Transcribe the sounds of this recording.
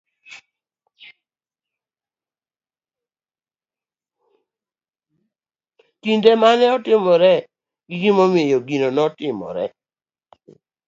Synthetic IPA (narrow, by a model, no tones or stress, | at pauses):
kindemanɛɔtɪmɔɾɛ | ɡiɡimomɪejoɡinonɔtɪmɔ̰ɾɛ̰